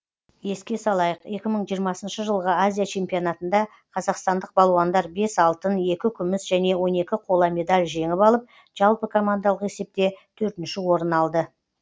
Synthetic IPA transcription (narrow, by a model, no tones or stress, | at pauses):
je̞skʲe̞sɑlˠɑjəqe̞kʲɪməɴʒijəɾmɑsənʃəʒəlˠʁəazʲijat͡ʃʰe̞mpio̞nat̪ənd̪ɑ | qʰɑzɑqst̪ɑnd̪əq̚bɑlˠuwɑnd̪ɑɾbe̞sɑlˠt̪əne̞kʲɪkʲʰʏmɪsʒæne̞wo̞ne̞kʲɪqʰo̞lˠɑme̞d̪alʲʒe̞ŋɪpɑlˠəp̚ | ʒ̥ɑlˠpəkʰo̞mand̪aɑlˠəqe̞se̞p̚t̪e̞t̪ʰɵɾt̪ɪnʃɪwo̞ɾənɑlˠd̪ə